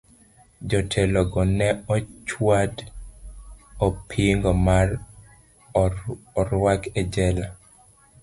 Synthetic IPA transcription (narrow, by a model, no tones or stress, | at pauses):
d͡ʒɔtʰɛlɔɡɔnɛɔt͡ʃwad | ɔpʰiŋɡɔmar | ɔɾwakɛd͡ʒɛla